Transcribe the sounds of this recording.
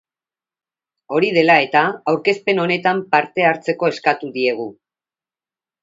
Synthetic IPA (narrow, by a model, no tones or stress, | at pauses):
o̞ɾið̞e̞lae̞t̪aːwɾke̞spe̞no̞ne̞t̪ampaɾt̪e̞aɾt͡se̞ko̞e̞skat̪uðie̞ɣ̞u